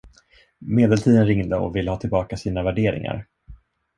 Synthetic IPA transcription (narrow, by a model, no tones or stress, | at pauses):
meːd̪ɛlt̪ʰiːd̪ənɾɪŋd̪əɔ̰vɪlːəhɑːt̪ʰɪlbɑːkasiːnavæɖeːɾɪ̰ŋa̰ɾ